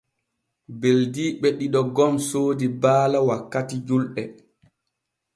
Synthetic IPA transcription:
beldiːɓeɗiɗɔɡɔmsoːdibaːlawakːatid͡ʒulɗɛ

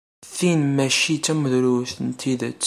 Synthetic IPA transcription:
θinmæʃit͡sːæməðɾuθənt̪ʰiðət͡sː

